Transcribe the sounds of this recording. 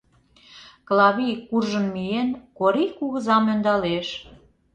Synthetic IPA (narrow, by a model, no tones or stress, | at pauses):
klɑβikurʒə̆nmijenkoɾikuɣə̆zɑmønd̪ɑleʃ